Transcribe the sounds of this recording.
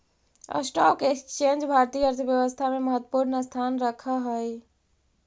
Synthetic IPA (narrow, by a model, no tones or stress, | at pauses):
ə̰sʈɔkekt͡ʃend͡ʒbʱaɾt̪ijəəɾt̪ʰəbjəʋəst̪ʰameməɦət̪wəpuɾnəst̪ʰanɾəkʰəɦoj